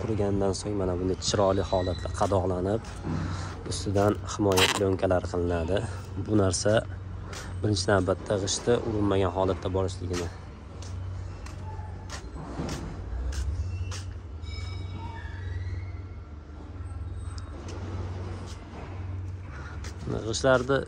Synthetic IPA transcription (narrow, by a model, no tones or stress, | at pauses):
qʰʊɾɡʲand̪ansoŋmanabʊnɪt͡ʃʰɪɾɒlɪhɒlˠat̪ʰlaqʰɑd̪ɒʁlˠanɪp | ʊst̪ɪd̪anhɪmɒjat̪ʰlɪoŋkʲʰalaɾqʰɨlˠɪnad̪ɪ | bʊnaɾsa | bɪɾɪnt͡ʃʰɪnawbat̪ʰːaʁɨʃt̪ʰɪʔʊɾɪnmaɡʲanɦɒlˠat̪ʰːabɒɾɪʃlɪɡʲɪnɪ | n̰ʁɨʃlaɾd̪ɪ